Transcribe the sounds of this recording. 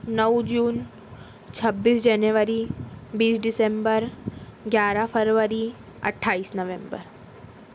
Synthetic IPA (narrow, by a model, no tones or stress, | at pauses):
nəwd͡ʒuːn | t͡ʃʰəbːiːsd͡ʒɛnjəʋəɾibiːsɖɪsẽmbəɾɡjaːɾapʰəɾʋəɾi | ə̰ʈʰːaːiːsnəʋẽmbə̰ɾ